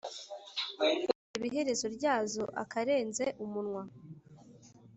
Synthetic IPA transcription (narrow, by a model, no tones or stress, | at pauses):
iβiɦe̞ɾe̞zo̞ɾɟaːzo̞ʔa̰kaɾe̞ːnzeʔumunŋwa